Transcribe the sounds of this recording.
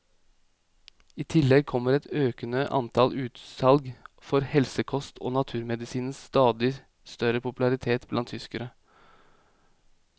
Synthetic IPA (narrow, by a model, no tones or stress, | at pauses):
iːt̪ʰɪlːɛɡ̚kʰɔmːəɾɛt̪øːkənəʔɑ̰nt̪ʰɑlʔʉːt̪sɑlɡ | fɔɾhɛlsəkʰɔst̪ʰo̰ːnɑt̪ʰʉːɾmɛd̪ɪsiːnn̩sst̪ɑːd̪ɪ | st̪œɾəpʊpʉlɑɾɪt̪ʰeːt̪blɑnt̪ʰʏskəɾə